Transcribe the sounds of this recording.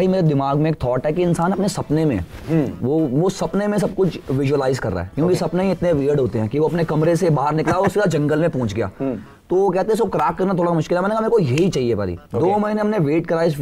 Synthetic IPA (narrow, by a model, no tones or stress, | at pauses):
ɦimeːɾed̪ɪmaːɡmẽeːk̚t̪ʰɔːʈɦɛkiɪnsaːnɐpnesɐpnemḛ̃ʋoːʋosɐpnemẽs̬ɐb̚kʊt͡ʃʰʋɪʒuəlaːɪzkɐ̰ɾːa̰ɦɛ̰kjõːkisɐpnẽɪt̪neʋiːəɾɖɦoːt̪eɦɛ̃ːkiʋoɐpnekɐmɾesebaːɦəɾnɪklaosɪɾad͡ʒɐ̃ŋɡəlmẽpɔ̃ːt͡ʃɡɐja̰ː | t̪oʋokɛɦt̪ẽɛ̃sokɾaːkːɐɾnat̪ʰoːɽamʊʃkɪlɛmɛːnekameːɾekojeɦit͡ʃaːɦieba̰ːɾḭːd̪oːmɐɦinẽɦɐmneʋeːʈkɐɾaːjɪs